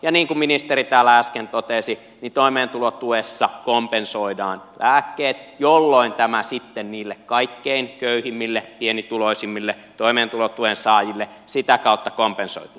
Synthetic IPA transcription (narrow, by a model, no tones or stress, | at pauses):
jɑniːŋkumminist̪erit̪æːlːææskent̪ot̪esi | nit̪oimeːnt̪ulot̪uesːɑkompensoidɑːnlæːkːeːt̪jolːoint̪æmæsit̪ːenniːlːekkɑikːeinkøyhimːilːepienit̪uloisimːilːe | t̪oimeːnt̪ulot̪uensɑːjilːe | sit̪ækɑˑut̪ːɑkompenso̰it̪u̥ː